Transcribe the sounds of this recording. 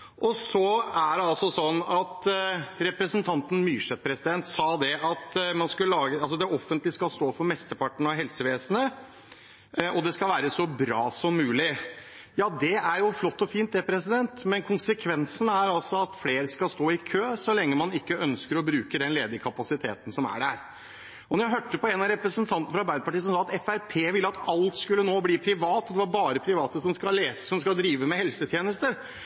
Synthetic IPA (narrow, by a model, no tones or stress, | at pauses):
ʔɔsɔæɖɛɑlsɔsɔnːɑt̪ɾɛpɾəsənt̪ʰɑnt̪n̩myːʂɛt̪̚pʰɾɛsɪd̪ɛnt̪sɑːd̪ɛʔɑt̪mɑnskʉlːəlɑːɡəɑlsɔd̪ɛɔfːənt̪lɪskɑlst̪oːfɔɾmɛst̪əpɑʈːəɳ̩ɑɦɛlsəʋeːsənə | ʔɔd̪ɛskɑlʋæːɾəsɔbɾɑːsɔmːʉːlɪ | jɑːd̪ɛæɾjʊflɔt̪ːɔfiːnt̪ɛpɾɛsɪd̪ɛnt̪mɛnkʰʊnsəkʰʋɛnsən̩æɾɑlsɔɑt̪fleːɾəskɑlst̪oːɪkʰøːsɔlɛŋːəmɑnɪkːəœnskəɾɔbɾʉːkəd̪ɛnleːd̪əɾkʰɑpɑsɪt̪ʰeːt̪ən̩sɔmæ̰ɖæɾ | ɔnɔɾjæɪɦøːʈːəpʰɔɛnɑɾɛpɾəsənt̪ʰɑnt̪nəfɾɑɾbæɪd̪əpʰɑʈiːəsɔmsɑːɑt̪ɛfæɾpʰeːʋɪlːəɑt̪ɑlt̪skʉlːənoːbliːpʰɾɪʋɑːt̪ɔd̪ɛʋɑɾbɑːɾəpʰɾɪʋɑːt̪əsɔmskɑleːsəsɔmskɑld̪ɾiːʋəmɛhɛlsət̪ʰjeːnəst̪əɾ